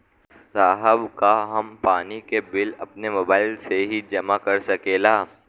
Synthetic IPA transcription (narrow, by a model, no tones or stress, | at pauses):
saːɦəbkaɦɐmpaːnikebɪlɐpnemʊːbaːɪlseɦid͡ʒɐmakɐɾsɐkeːlaː